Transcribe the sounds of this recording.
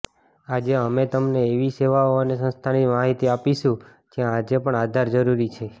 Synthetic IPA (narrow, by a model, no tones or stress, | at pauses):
ad͡ʒeəmet̪əmneːʋiseʋaoənesə̃nst̪ʰanimaɦit̪iapiʃũ | d͡ʒjãːd͡ʒepəɳad̪ʱaɾd͡ʒəɾuɾit͡ʃʰe